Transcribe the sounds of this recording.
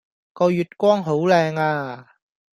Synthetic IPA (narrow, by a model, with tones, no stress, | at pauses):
kɔː˧jyː˨t̚kʷɔː˥ŋɦo˨˥wlɛː˧ŋaː˧